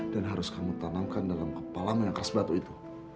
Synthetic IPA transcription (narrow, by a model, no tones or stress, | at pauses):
d̥anɦaɾʊskamut̪anamkandalamkəpalamajaŋkəɾasbat̪uit̪u̥